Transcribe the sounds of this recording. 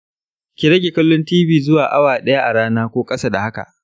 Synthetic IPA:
kʲi˨ɾɐ˦ɡʲe˨kɐ˦lːʊ˦ntiː˦biː˦zʊ˦waː˨ʔa˦waː˨ɗɐ˦ja˦ʔa˨ɽaː˦naː˦kʷoː˦kʼɐ˦sa˦da˨ha˦ka̰˨ʔ

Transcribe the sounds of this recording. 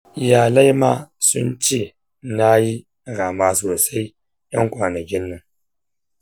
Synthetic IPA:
jaː˨la˦jmaː˦sʊ˦nt͡ʃeː˦˨ | na˦ji˦ | ɾaː˨maː˦soː˨sa˦j | jɐ˦ŋkʷaː˨nɐ˨kʲɪ˦nːɐ˦ŋ

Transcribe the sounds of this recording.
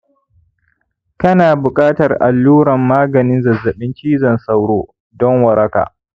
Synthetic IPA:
kɐ˦naː˨bʊ˨kʼaː˦tɐ˨rʔa̰˨lːuː˦ɾɐ˨mːaː˦ɡɐ˨nɪ˦nzɐ˨zːɐ˨ɓɪ˦nt͡ʃiː˦zɐ˨nsa˦wɽoː˦ | dɔ˦ŋwɐ˨ɾɐ˦ka̰ː˨

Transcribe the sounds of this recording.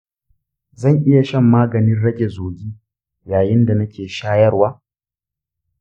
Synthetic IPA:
zɐ˦˨ŋʔɪ˦ja˨ʃɐ˦mːaː˦ɡɐ˨nɪ˦nɽɐ˦ɡʲe˨zoː˨ɡʲiː˦ | jaː˨jɪ˦nda˨nɐ˦kʲeː˨ʃaː˦jɐ˦rwaː˦

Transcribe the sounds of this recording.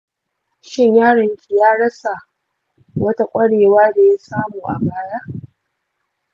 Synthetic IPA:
ʃɪ˦˨ɲjaː˦ɽɐ˨ŋkʲi˨jaː˦ɽɐ˦sa˨ | wɐ˦ta˦kʷʼɐ˦ɽeː˨waː˦da˨ja˦saː˦muː˨ʔa̰˨baː˨jaː˦

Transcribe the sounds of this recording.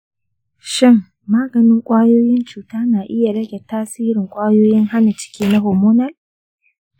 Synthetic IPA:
ʃɪ˦˨ŋ | maː˦ɡɐ˨nɪ˦ŋkʷʼaː˦joː˦jɪ˦nt͡ʃuː˨taː˦naː˨ʔɪ˦ja˨ɽɐ˦ɡʲɛ˨taː˦siː˦ɾɪ˨ŋkʷʼaː˦joː˦jɪ˦ŋha˦na˨t͡ʃɪ̥˦kʲiː˦na˦ɦoː˨moː˦nɐ˦l

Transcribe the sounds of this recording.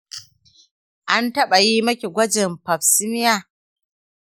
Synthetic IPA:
ʔa˦ntɐ˦ɓa˨ji˦mɐ˦kʲe˨ɡʷɐ˦d͡ʒɪ˨mpɐ˨ɸsɪ˦mɪ˦jaː˦˨

